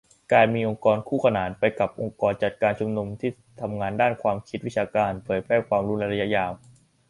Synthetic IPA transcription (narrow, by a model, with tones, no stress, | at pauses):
kaː˧nmiː˧ʔo˧ŋkɔː˧nkʰuː˥˩kʰa˧naː˩˦npa˧jka˨˩p̚ʔo˧ŋkɔː˧nt͡ɕa˨˩t̪̚kaː˧nt͡ɕʰu˧mnu˧mt̪ʰiː˥˩ | t̪ʰa˧mŋaː˧ndaː˥˩nkʰwaː˧mkʰi˦˥t̪̚wi˦˥t͡ɕʰaː˧kaː˧npʰɤː˩˦jpʰɾɛː˧˥˩kʰwaː˧mɾuː˦˥nla˧jɾa˧ja˦˥ʔjaː˧w